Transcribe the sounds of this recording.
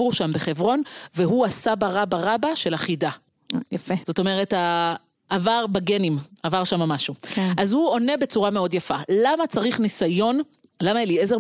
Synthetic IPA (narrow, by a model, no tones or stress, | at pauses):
uʃambeχe̞vʁo̞nveɦuasabaʁabaʁabaʃe̞laχida | jafez̥o̞to̞meʁeta | ʔːvaʁbaɡe̞nimavaʁʃamamaʃukeazhuo̞ne̞be̞t͡suʁame̞o̞djafalamat͡saʁiχnisajo̞n | lamaelieze